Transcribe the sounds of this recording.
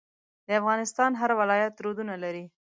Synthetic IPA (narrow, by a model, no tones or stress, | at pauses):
d̪əafɣɑnɪst̪ɑnɦaɾwɪlɑjat̪ɾod̪unalaɾi